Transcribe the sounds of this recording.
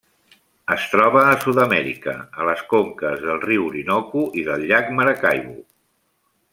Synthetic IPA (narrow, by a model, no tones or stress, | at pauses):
əst̪ɾɔβəːsuðəmɛɾḭkə̰ələskoŋkəzðəlˠriwɾinɔkuʔiðəlˠʎːakməɾəkajβu